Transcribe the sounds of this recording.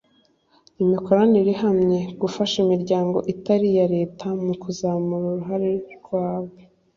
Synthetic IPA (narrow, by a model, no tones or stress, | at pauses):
imiko̞ɾaniɾihamɲe̞ɡufaʃimiɾɟaːŋɡo̞̰ʔitaɾijaɾe̞ːtʰamukuzamuɾuɾuɦaɾeɾɡwaːβe